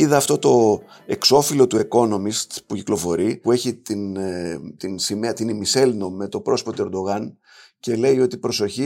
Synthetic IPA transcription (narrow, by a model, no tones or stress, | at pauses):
iðɐːft̪o̞t̪o̞ | e̞kso̞filo̞t̪ue̞ko̞no̞mist̪puci̥klo̞fo̞ɾipue̞çit̪int̪insimeɐt̪inimise̞lno̞me̞t̪o̞pɾo̞spot̪oe̞ɾd̪o̞ɣɐn | ce̞le̞io̞t̪ipɾo̞so̞çi